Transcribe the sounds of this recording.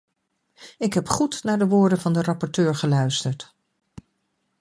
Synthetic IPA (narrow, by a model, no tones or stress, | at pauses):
ɪkɦɛpχutnaːɹdəʋʊːɹdənvɑndərɑpɔɹtøːɹχəlœɥstəɹt